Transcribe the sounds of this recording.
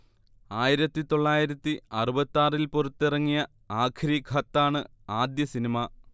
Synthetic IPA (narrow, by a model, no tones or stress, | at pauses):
aːjiɾɐt̪ːit̪o̞ɭːaːjiɾɐt̪ːiɐrubɐt̪ːaːrilporɐt̪ːirɐŋːijɐ | aːkʰɾiɡʱɐt̪ːaːɳɨ | aːd̪jɐsinimɐ